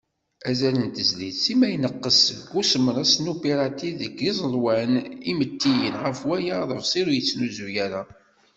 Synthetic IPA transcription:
æzælənt̪əzliθsimæjnəqːəsəɡusəmɾəsnupeɾɑt̪iðəɡizˤəlwænimət̪ːijənʁəfwæjaðˤəfsˤiɾujət͡sːnuzujæɾa

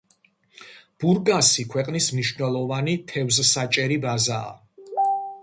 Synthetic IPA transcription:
b̥uɾɡasikʰwɛqʼnismniʃvnɛlˠɔvanit̪ʰɛvzsat͡ʃʼɛɾibaza̰ː

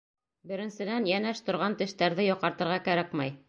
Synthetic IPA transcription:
bɘ̆ɾɘ̆nsɘ̆d̪ænjænæʃt̪ŏɾʁɑnt̪ɘ̆ʃt̪æɾðɘjɒqɑɾt̪ɤ̆ɾʁɑkæɾækmæj

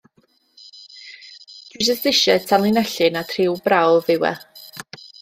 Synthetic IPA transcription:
d̥wisəsðɪʃɛtʰanlˠinɛɬɨnatʰrɪwbrawlˠvɪwɛ̰

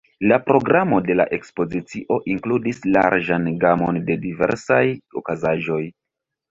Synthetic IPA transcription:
lapɾo̞ɡɾamo̞de̞la̰ʔe̞kspo̞zit͡siʔo̞ʔiŋkludisla̰ɾʒanɡamo̞nde̞dive̞̰ɾsajo̰kazaʒo̞j

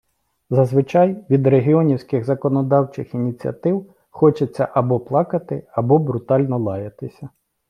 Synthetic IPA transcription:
zɐzʋɪt͡ʃɑjʋʲid̪reɦʲiɔnʲiwsʲkɪɣzɐkɔnɔd̪ɑwt͡ʃɪxinʲit͡sʲiɐ̰t̪ɪw | xɔt͡ʃɪt͡sʲːɐ̰ʔɐbɔplˠɑkɐt̪ɪɐbɔbɾʊt̪ɑlʲnɔlˠɑjɐt̪ɪsʲɐ

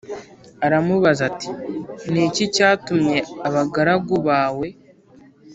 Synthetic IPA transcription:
aɾamuβazati̥nicicaːtumɲe̞aβaɡaɾaɡuβaːwe̞

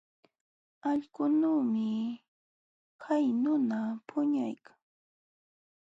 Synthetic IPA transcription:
ɑʎkʊnuːmɪ | kʰajnʊnapʰʊɲajkʰḁŋ

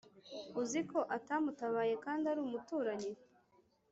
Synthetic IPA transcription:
uziko̞ʔatamutaβaːje̞kaːndaɾuːmutuːɾaɲi

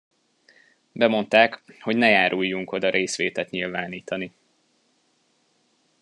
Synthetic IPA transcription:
bɛmo̞nt̪aːkho̞ɟnɛjaːɾʔujːuŋko̞d̪ɒɾʔeːsʋeːt̪ɛt̪ɲilvaːniːt̪ɒni

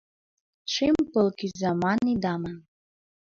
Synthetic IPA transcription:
ʈ͡ʂʰimpəlkizamanid̪aman

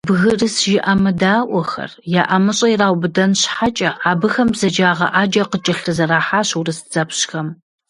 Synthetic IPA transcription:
bɣɨrɨsʒɪʔamɐdaːʔʷɔxɐ̰rjaːʔɐmɨɕʼɐiraːwbɨdɐnɕħat͡ʃʼɐaːbɨxɐmbz̥ɐd͡ʒaːʁɐ̰ʔaːd͡ʒɐqət͡ʃʼɐɬɨzɐɾaːħaːɕurɨsd͡zɐpɕxɐm

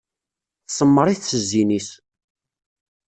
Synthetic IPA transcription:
θsəmːəɾˤiθsəzːinis

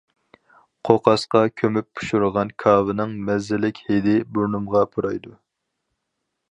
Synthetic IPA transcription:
qʰoqʰɑsqɑkʲʰømyp̚ːʰu̥ʃuɾəʁɑnkʰɑːvɨnɨŋmɛzːɪlɪkʲhed̪ɪbuɾnumʁɑpʰuɾɑjd̪u

